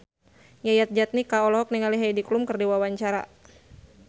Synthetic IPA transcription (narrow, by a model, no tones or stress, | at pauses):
jajat̪̚d͡ʒat̪̚nikaɔlɔɦɔk̚niŋaliɦajdiklumkɨrdiwawaɲt͡ʃaɾa̰